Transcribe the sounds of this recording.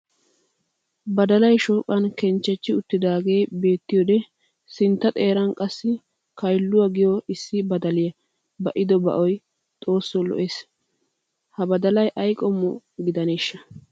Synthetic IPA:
bɐd̪ɐlɐjʃoːkʼːɐnkɛnt͡ʃːɛt͡ʃːɪʊt̪ːɪd̪aːɡe̞ːbe̞ːt̪ːɪjɔd̪ɛ | sɪnt̪ːɐt̪ʼeːɾɐnkʼɐsːɪ | kɐjlːʊwɐɡɪjɔɪsːɪbɐd̪ɐlɪjɐ | bɐʔɪd̪ɔbɐ̰ʔɔj | t̪ʼo̞ːsːɔlɔ̰ʔeːs | hɐbɐd̪ɐlɐjʔɐjkʼɔmːɔ | ɡɪd̪ɐneːʃːɐ

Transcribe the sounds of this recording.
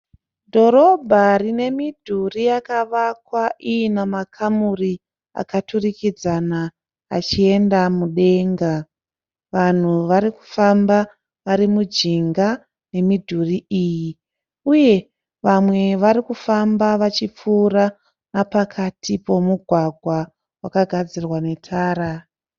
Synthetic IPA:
dʱo̞ɾo̞bʱarine̞midʱurijakaʋakwaijinamakʰamuri | a̰katurikid͡zana̰ː | t͡ʃie̞ndamuɗe̞ŋɡa | ʋan̤uʋaɾiku̥famba | ʋaɾimud͡ʒiŋɡa | ne̞midʱuriʔiːji | uje̞ | ʋamwe̞ʋaɾikufambaʋat͡ʃip͡fuːra | napakʰatʰipo̞muɡʱwaɡʱwa | wakaɡʱad͡zirwane̞tʰaːɾa

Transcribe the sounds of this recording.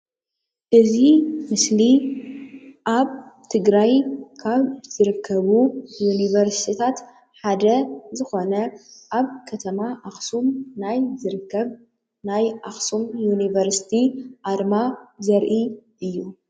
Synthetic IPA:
ʔɨzimɨsli | ʔaβt̪ʰɨɡɾajkʰaβz̥ɨɾɨkʰːɐβujunivɐɾsi̥t̪ʰit̪ʰat̪ | ħad̪ɐzɨxo̞nɐʔaβkʰɐt̪ʰɐmaʔaxsumnajzɨɾɨkːɐβ | najʔaxsumjunivɐɾsi̥t̪ʰiʔaɾmazɐɾʔiʔɨjːu

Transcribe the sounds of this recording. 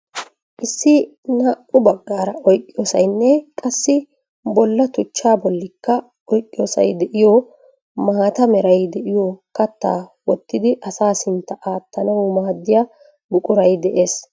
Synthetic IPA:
ʔɪsːɪ | nɐʔʊbɐɡːaːɾɐɔjkʼːɪjoːsɐjnːɛkʼɐsːɪ | bɔlːɐt̪ʊt͡ʃːaːbɔlːɪkːɐ | ɔjkʼːɪjo̞ːsɐ̰jd̪ɛʔɪjo | maːt̪ɐmɛɾɐjd̪ɛʔɪjoːkɐt̪ːa̰ːwɔt̪ːɪd̪ɪʔɐsaːsɪnt̪ːɐʔaːt̪ːɐnɐwmaːd̪ːɪja | bʊkʼʊɾɐjd̪ɛʔeːs

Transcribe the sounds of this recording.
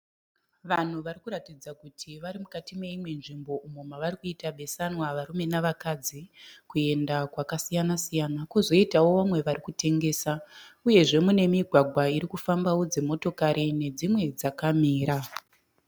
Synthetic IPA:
ʋan̤uʋaɾikuɾatid͡zakutʰiʋaɾimukatime̞imwe̞nʐimbo̞ʔumomaʋarikuitaɓe̞sanwaʋaɾume̞naʋakad͡zikue̞ndakwakasijanasijanakozo̞itawo̞ʋamwe̞ʋarikute̞ŋɡe̞ːsauje̞ʐe̞mune̞miɡʱwaɡʱwaiɾikufambawo̞d͡ze̞mo̞to̞kaɾʔine̞d͡zimwe̞d͡zakamiːɾa

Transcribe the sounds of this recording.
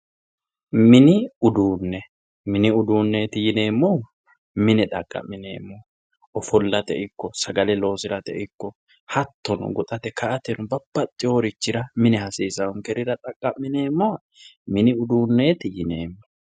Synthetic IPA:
mɪnɪʊd̪uːnːɛ | mɪnɪʊd̪uːnːeːt̪ɪjɪne̞ːmːɔ | mɪnɛt̪ʼɐ̰kʼːɐ̰mːɪnḛːmːɔ | ɔfɔlːɐt̪ɛʔɪkːɔsɐɡɐlɛlo̞ːsɪɾɐt̪ɛ̰ʔɪkːɔ | hɐt̪ːɔnɔ̰ɡɔt̪ʼɐt̪ɛkɐʔɐt̪ɛnʊbɐbːɐt̪ʼːɪɔɾɪt͡ʃːɪɾɐmɪnɛhɐseːsɐʊŋkɛɾɪɾɐt̪ʼɐkʼːɐmːɪne̞ːmːɔɐ | mɪnɪʊd̪uːnːeːt̪ɪjɪneːmːɔ

